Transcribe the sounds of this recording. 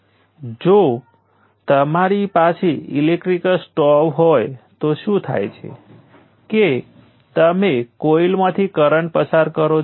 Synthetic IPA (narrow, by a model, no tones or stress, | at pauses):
d͡ʒo | t̪əmaɾipat͡ʃʰeḭlek̚ʈɾikəsʈɔwɦojt̪oʃũt̪ʰa̰jt͡ʃʰḛ | ke | t̪əmekoilmãt̪ʰikəɾəɳʈpəsaɾkəɾo